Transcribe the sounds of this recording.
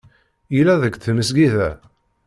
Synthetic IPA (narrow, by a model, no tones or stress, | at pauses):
ilæðəɡθəməs̬ɡiðæ